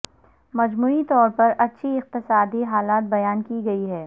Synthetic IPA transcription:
mɐd͡ʒmuːit̪ɔːɾpɐɾɐtːʃʰiɪq̚t̪ɪsaːd̪iɦaːlaːt̪̚bɐjaːnkiɡɐiɦɛː

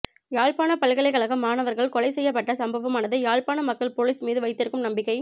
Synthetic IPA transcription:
jaːɭpaːnɐpɐɭɣɐɭɐɪkɐɭɐɣɐmːaːnɐʋɐɾɣɐɭkɔlɐɪsɛjːɐp̬ːɐʈːɐsɐmbɐʋɐmaːnɐðɯjaːɭpaːnɐmɐkːɐɭpoːɭiːsmiːðɯʋɐɪt̪ːɪɾɯkːɯmnɐmbɪkːɐɪ

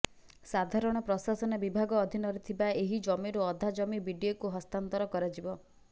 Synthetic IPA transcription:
sad̪ʱaɾɔɽ̃ɔpɾɔsasɔnɔbibʱaɡɔːd̪ʱinɔɾit̪ʰibaeɦid͡ʒɔmiɾoɔd̪ʱad͡ʒɔmibiɖiokuɦɔst̪ant̪ɔɾɔkɔɾad͡ʒibɔ

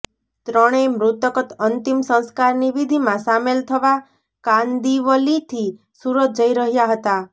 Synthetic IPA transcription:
t̪ɾɔɽ̃emɾut̪əkɔt̪ənt̪imsə̃skaɾniʋid̪ʱimãsamelt̪ʰəʋa | kand̪iʋɔlit̪ʰi | suɾɔt̪̚d͡ʒəiɾəɦjaɦət̪a

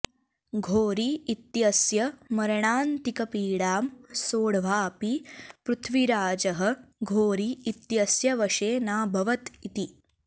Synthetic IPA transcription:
ɡʱoːɾiːt̪jɐsjɐmɐɾɳaːnt̪ikɐpiːɽaːmsoːɽʋaːpipɾut̪ʰʋiɾaːd͡ʒɐɦə̆ɡʱoːɾiːt̪jɐsjɐʋɐʂeːnaːbʱɐʋɐt̪it̪i

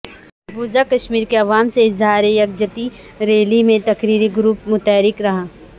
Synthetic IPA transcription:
buːzakɐʃmiːɾkeɐʋaːmseɪzɦaːɾejɐk̚d͡ʒɐt̪i | ɾeːlimẽt̪ɐkɾiːɾiɡɾuːpmʊt̪ɛːɾɪkɾɐɦaː

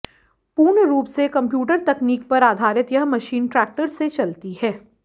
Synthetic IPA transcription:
puːɾɳəɾuːpsekɐ̃mpjuːʈ̬əɾt̪ɛkniːkpɐɾaːd̪ʱaːɾɪt̪jɐɦmɐʃiːnʈɾɛːk̚ʈəɾset͡ʃɐlt̪ihɛː

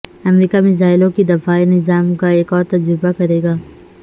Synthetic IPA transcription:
ɐmɾiːkamɪzaːɪlõkid̪ɐfaːenɪzaːmkaeːkɔːɾt̪ɐd͡ʒɾɪbakɐɾeːɡaː

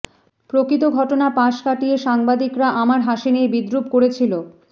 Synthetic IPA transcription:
pɾokɾit̪̬oɡʱɔʈonapaʃkaʈieʃaŋbad̪ikɾaʔamaɾɦaʃiniebid̪ɾubkoɾet͡ɕʰilo

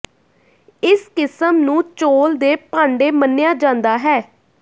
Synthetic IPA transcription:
ɪskɪsəmnũːt͡ʃoːld̪eːpãːɳɖeːmənːɪjaːd͡ʒãːnd̪aːɦɛː

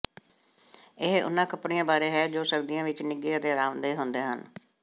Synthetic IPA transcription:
ɪɦʔʊ̰nːãːkəpɽɪjãːbaːɾeːɦɛːd͡ʒoːsəɾd̪ijãːʋɪt͡ʃnɪɡeːət̪eːɾaːnd̪eːɦʊnd̪eːɦən

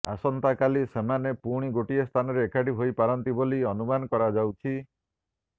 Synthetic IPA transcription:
a̰sɔnt̪akalisemanepuɽ̃iɡoʈiest̪ʰanɔɾeːkaɖiɦojpaɾɔnt̪iboliɔnumanɔkɔɾad͡ʒawt͡ʃʰi

